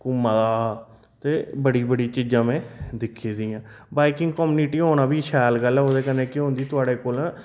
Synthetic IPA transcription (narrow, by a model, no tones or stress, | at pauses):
kʊmːãːd̪aː | t̪eːbəɽiːbəɽiːt͡ʃiːd͡ʒãːmɛ̃ːd̪ɪkʰiːd̪iːãː | baːɪkɪ̃ŋɡkɔːmuːniʈiːɦoːnaːbiːʃɛːlɡəlɛːoːd̪eːkənẽːkɪɦõːnd̪iːt̪ʊaːɽeːkoːlãː